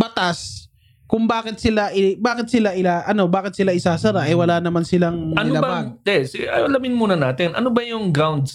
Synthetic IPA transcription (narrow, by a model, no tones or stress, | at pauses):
bɐt̪as | kʊŋbaːkɪt̪̚sɪlaʔɪbaːkɪt̪̚sɪlaʔɪlaʔɐno̞baːkɪt̪sɪlaʔɪsaːsɐɾaʔɐjwɐlaːnɐmansɪlaŋɐnlɐbɐmad̪ɛsɪɐjɐlɐmɪnmuːnɐnaːt̪ɪnʔɐ̰nobɐjʊŋɡɾawnd̪s